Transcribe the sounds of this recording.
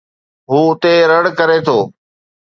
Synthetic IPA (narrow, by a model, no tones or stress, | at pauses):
ɦuːʊt̪eɾəɽkəɾet̪ʰoː